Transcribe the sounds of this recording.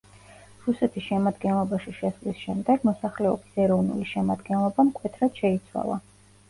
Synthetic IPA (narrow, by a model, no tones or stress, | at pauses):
ɾusɛt̪ʰisʃɛmad̪ɡɛnlˠɔbaʃiʃɛslisʃɛmd̪ɛɡmɔsaχlɛɔbisɛɾɔvnṵliʃɛmad̪ɡɛnlˠɔbamkʼwɛt̪ʰɾad̪̥ʃɛit̪sʰwa̰lˠa̰